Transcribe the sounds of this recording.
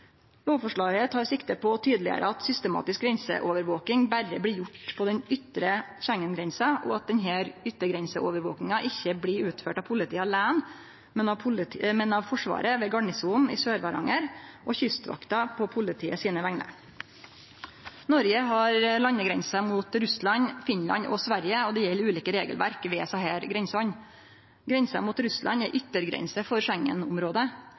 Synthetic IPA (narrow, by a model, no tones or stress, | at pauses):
loːfɔʂɭɑːɡət̪ʰɑːɾsɪkt̪əpʰɔːt̪ʰyːd̪lɪə̰ɾʔə̰ɑt̪sʏst̪əmɑ̰ːt̪ɪsk̚ɡɾɛnsə̰ʔoːʋəɾʋoːkɪŋbæɾəbliːjʊʈpʰɔd̪ɛnʏt̪ɾəçæŋːənɡɾɛnsɑʔɔ̰ɑt̪̚d̪ɛnɦæːɾʏt̪ːəɡɾɛnsəʔoːʋəɾʋo̰ːknɪŋɑʔɪçːəbliːʉːt̪føːʈɑːʋpʰʊlɪt̪iːɑlæːn | mɛnɑmɛnɑʋfɔʂʋɑ̰ːɾəʋeːɡɑɳɪsuːnɪ̰ːsøːɾʋɑɾɑ̰ŋəɾʔɔçʏst̪ʋɑ̰kt̪ɑpʰɔpʰʊlɪt̪ʰiːəsiːnəʋæŋnə̰ɾ | nɔɾjəɦɑɾlɑnːəɡɾɛnsɑmuːt̪ɾʉslɑnfɪnlɑ̰ɲɔsʋæɾjəɔd̪ɛjɛlːʉːliːkəɾeːɡəlʋʔæ̰ɾkʋɛːsɑheːɾɡɾɛnsɔn | ɡɾɛnsɑ̰muːt̪ɾʉslʔɑ̰nɛʔʏt̪ːəɾɡɾɛ̰nsəfɔɾʃæŋːə̰nʊmɾoːd̪ə